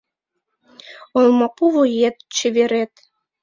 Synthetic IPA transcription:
olmɑpuβojet̪̚t͡ɕə̆βeɾet̪̚

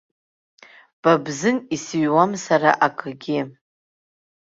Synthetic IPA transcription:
b̥abzɨnisɥwamsaɾa̰ʔakʼʰɨɡʲɪ

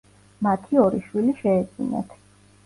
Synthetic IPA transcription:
mat̪ʰiɔɾiʃwiliʃɛːd̪zʼḭnɛ̰t̪ʰ

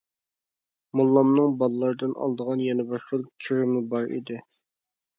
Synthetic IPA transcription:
mulˠːɑmnɨŋbɑlˠlˠɑɾd̪ɨnɑ̰lˠd̪əʁɑnjɛnɨbɑʃqəlkʲʰiɾɪmɪbɑɾḭd̪ɪ

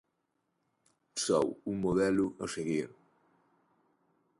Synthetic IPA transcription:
sɔ̰wuŋmoðɛluɐseɣiɾ

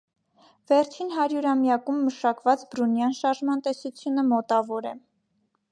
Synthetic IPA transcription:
vɛɾt͡ʃʰinɦɑɾjuɾɑmjɑkumːəʃɑkvɑt͡sbɾunjɑnʃɑɾʒmɑnt̪ɛsut͡sʰjunəmɔt̪ɑvɔɾɛ

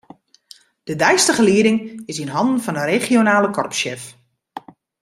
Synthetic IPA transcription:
d̥ədɛjstəχəliədɪŋɪsinɦɔndn̩fɔnəreχionaːləkʰɔrpʃɪf

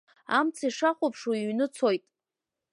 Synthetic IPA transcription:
a̰mt͡sʰaiʂaχʷʊpʰʂwiɥnɨt͡sʰojtʼ

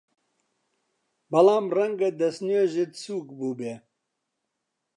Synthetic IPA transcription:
bɐlaːmrɛŋɡɐd̪ɐsneʒid̪suːkbuːbe

